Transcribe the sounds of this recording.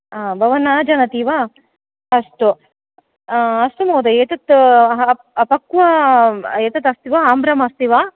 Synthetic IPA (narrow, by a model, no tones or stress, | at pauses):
abʱɐʋɐnaːd͡ʒɐnɐt̪iʋa | ɐst̪u | ɐst̪umoːd̪ɐeːt̪ɐt̪ | ɐpɐkːʋɐ | eːt̪ɐt̪ɐst̪iʋaaːmbɾɐmɐst̪iʋa